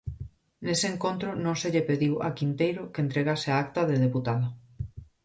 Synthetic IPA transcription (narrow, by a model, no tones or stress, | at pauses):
neseːŋkont̪ɾʊnõŋseʎepeðiwa̰kint̪ejɾʊkent̪ɾeɣasɪaakt̪ɐðeðeput̪aða